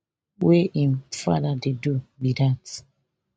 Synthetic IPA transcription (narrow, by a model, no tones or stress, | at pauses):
weʔĩmfa̰dadedubidat